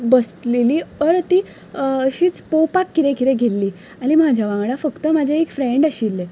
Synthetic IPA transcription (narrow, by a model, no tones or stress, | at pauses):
bəsleliːəɾt̪i | ɕiːt͡spowpakːiɾẽkiɾẽɡʱelːiː | animad͡ʑʱjaʋãŋɡɽafəkt̪əmad͡ʑʱaekfɾeɳɖaɕilːe